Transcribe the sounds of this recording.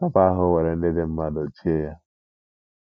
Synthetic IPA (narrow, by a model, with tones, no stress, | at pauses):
a˦pa˦a˦ɦʊ˦we˨ɾe˨n̩˦dɪ˦dɪ˦m̩˦ma˦do˨t͡ʃi˦e˦ja˦